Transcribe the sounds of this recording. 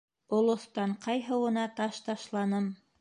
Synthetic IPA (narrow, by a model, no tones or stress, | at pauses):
olˠŏθt̪ɑɴqɑjɦɤ̆wɤ̆nɑt̪ɑʃt̪ɑʃlˠɑnɤm